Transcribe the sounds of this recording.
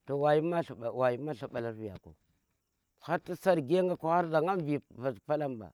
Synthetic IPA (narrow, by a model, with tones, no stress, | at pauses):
to˨wa˨ji˦ma˦ɬa˨a˨wa˨ji˦ma˦ɬa˨ɓa˨la˦ɾvi˨ja̰˨ko̰˨ | xa˦ta˦sa˦ɾɡe˦ŋɡa˦ka˨ha˦ɾza˨ŋa˦m˦vi˨va˨zpa˦la˦mba̰˨